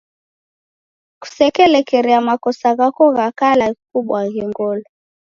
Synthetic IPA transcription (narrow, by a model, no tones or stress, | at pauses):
ku̥sɛkɛlɛkɛɾiamakɔsaɣakɔɣakalaɣikuɓwaɣiŋɡɔlɔ